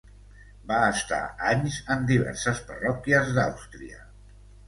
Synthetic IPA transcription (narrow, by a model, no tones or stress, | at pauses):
baəst̪a̰aɲzəmd̪iβɛ̰ɾsəspərɔkiəzd̪a̰wst̪ɾḭə̰